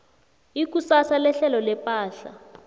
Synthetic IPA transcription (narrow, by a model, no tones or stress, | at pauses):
ik̬usasalɛɬɛlɔlɛpʼaːɬa̰